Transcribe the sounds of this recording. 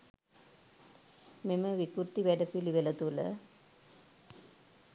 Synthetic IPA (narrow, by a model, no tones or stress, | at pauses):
meməʋikuɾt̪iʋæɖəpiliʋelət̪ulə̰